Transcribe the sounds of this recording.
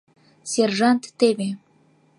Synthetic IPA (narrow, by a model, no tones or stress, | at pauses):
sʲerʒɑnt̪ːeβʲe